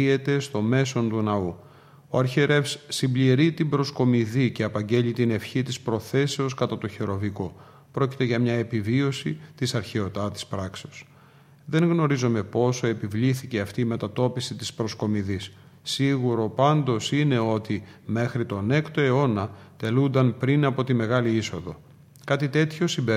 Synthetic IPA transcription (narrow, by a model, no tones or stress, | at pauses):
ie̞t̪e̞st̪o̞me̞so̞nt̪unɐu | oɐɾçeɾe̞fsːimbliɾit̪imbɾo̞sko̞miðice̞ɐpɐɲɟe̞ʎit̪ine̞fçit̪ispɾo̞θe̞se̞o̞skɐt̪ɐt̪oçeɾo̞viko̞ | pɾo̞ci̥t̪e̞ʝɐmɲɐe̞pivio̞sit̪isɐɾçe̞o̞t̪ɐt̪i̥spɾɐkse̞os | ðe̞ŋɣno̞ɾizome̞po̞so̞e̞pivliθice̞ɐft̪iːme̞t̪ɐt̪o̞pisit̪ispɾo̞sko̞miðisː | iɣuɾo̞pɐnd̪o̞sine̞o̞t̪ime̞xɾit̪o̞ne̞kt̪o̞e̞o̞nɐ | t̪e̞lund̪ɐnpɾinɐpo̞t̪ime̞ɣɐliiso̞ðo̞̰ | kɐt̪it̪e̞t̪ço̞simbe